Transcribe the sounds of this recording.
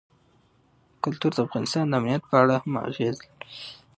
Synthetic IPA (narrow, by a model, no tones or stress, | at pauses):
kʊlt̪uɾd̪əafɣɑnɪst̪ɑnd̪əamnijat̪̚pəaɽahama̰ɣez